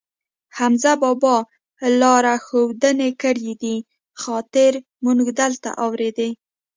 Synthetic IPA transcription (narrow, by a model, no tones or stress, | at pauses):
hamzabɑbɑ | lɑɾaxowd̪ənekəɽjid̪i | xɑt̪ɪɾ | munɡd̪alt̪a̰ʔɑwɾed̪e